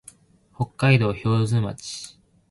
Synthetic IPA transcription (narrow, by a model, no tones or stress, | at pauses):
ho̞kːaid̪o̞ːço̞ːzɨma̰t͡ɕi̥